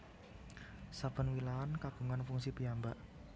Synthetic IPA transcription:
sapənwilaankaɡ̥uŋanfuŋsipiambaʔ

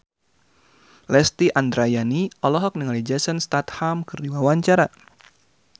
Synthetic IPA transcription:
lɛst̪iʔand̪ɾajaniɔlɔɦɔk̚niŋalid͡ʒɛsənst̪at̪hamkɨrdiwawaɲt͡ʃaɾa

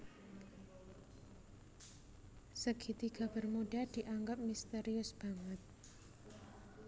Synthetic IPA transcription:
səɡ̥it̪iɡ̥a̤b̥ərmuɖad̪̥iʔaŋɡap̚mist̪eɾiʊsb̥aŋət̪̚

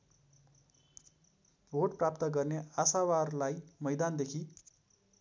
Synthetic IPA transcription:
bʱoʈ̚prap̚t̪ʌɡʌrneasawarlajmʌjd̪and̪ekʰi

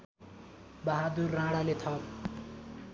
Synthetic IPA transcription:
bʌɦad̪urːãɽalet̪ʰʌ

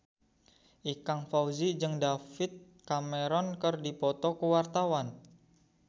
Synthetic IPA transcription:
ʔikaŋfauzid͡ʒɨŋdafɪt̪̚ | kameɾɔnkərdipɔt̪ɔkəwart̪awan

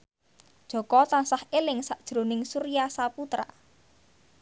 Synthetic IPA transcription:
d̥ʒ̥ɔ̤kɔt̪ansahelɪŋsaʔd̥ʒ̥ɾonɪŋsuɾijasaput̪ɾa̰

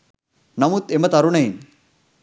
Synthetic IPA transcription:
nɐmut̪emət̪aɾunaɦi

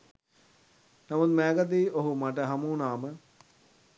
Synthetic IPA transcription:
nɐmud̪mɛːɡət̪̬iːoɦumaʈəɦɐmuːnaːmə

